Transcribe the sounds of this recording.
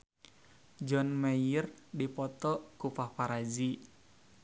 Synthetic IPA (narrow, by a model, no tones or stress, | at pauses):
d͡ʒɔnmajərdipɔt̪ɔkupahpaɾad͡ʒi